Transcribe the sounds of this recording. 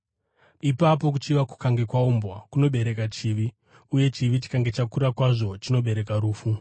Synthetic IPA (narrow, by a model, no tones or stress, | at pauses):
ipap̬o̞k̬ut͡ʃiʋaku̥kaŋɡe̞kwaumbwakuno̞ɓe̞ɾe̞kat͡ʃiːʋi | uje̞t͡ʃiʋit͡ʃi̥kaŋɡe̞t͡ʃakuɾakwaʐo̞t͡ʃino̞ɓe̞ɾe̞kaɾuːfu